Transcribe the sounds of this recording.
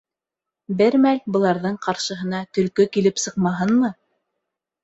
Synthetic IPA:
bɘɾmælbɤ̆lˠɑɾðɤɴqɑɾʃɤ̆ɦɤ̆nɑt̪ɵ̆lkɵkilɘpsɤ̆qmɑɦɤnmɤ

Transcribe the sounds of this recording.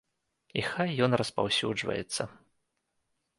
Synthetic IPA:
ixajːɔnrɐspa̰wsʲud͡ʐvɐ̰jɛt̪sːɐ

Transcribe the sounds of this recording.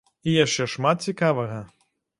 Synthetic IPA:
ijaʂt͡ʂɛʂmat̪̚t͡sʲikavɐɣɐ

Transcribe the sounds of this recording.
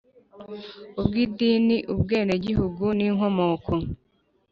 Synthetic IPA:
ub̚ɡiːdiːniʔubɡe̞ːndeɟiɦuɡuniːŋo̞mo̞ːkʰo

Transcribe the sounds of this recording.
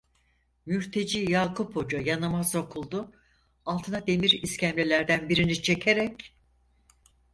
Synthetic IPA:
myɾt̪ʰe̞d͡ʒiːjaːkʰupʰo̞d͡ʒajanɯmazo̞kʰulˠd̪u | alˠt̪ʰɯnad̪e̞miɾiscʰæmlʲelʲæɾd̪ænbiɾinit͡ʃʰe̞cʰeɾɛc

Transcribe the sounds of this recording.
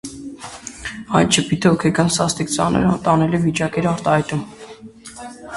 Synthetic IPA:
ɑjt̪t͡ʃʰəpit̪ʰhɔkʰɛɡɑnsɑst̪ikt͡sɑ̰nə̰ɾt̪ɑnɛlivit͡ʃɑkɛɾɑɾt̪ɑhɑjt̪um

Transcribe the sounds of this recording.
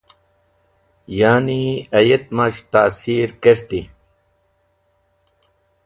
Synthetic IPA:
jaːniɐjet̪mat͡ɕt̪aːsiːɾkeɾt̪i

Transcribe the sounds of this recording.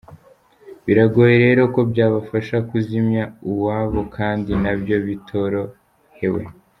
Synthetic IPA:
βiɾaɡo̞jeɾe̞ːɾo̞ko̞bjaːβafaʃakuzimɲauβwaːβo̞kʰaːndinabjo̞βitʰo̞ɾo̞ | he̞we̞̰

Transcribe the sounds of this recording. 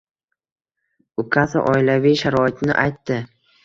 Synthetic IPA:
ʊkʰasa̰ʔɒɪlavijʃaɾɒɪt̪nɪ̰ʔajt̪ːɪ

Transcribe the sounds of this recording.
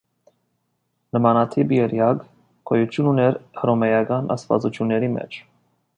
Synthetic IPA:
nəmɑnɑt̪ʰibjɛɾjɑɡ | kʰɔjut͡ʃ̪ʰjununɛɾhɾɔmɛjɑɡɑnɑ̰st̪vɑ̰t͡sut͡ʃ̪ʰjunːɛɾimɛ̰t͡ʃʰ

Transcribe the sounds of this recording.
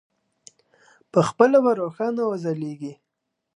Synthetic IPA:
pəxpəlawaɾoxɑnawazaleɡi

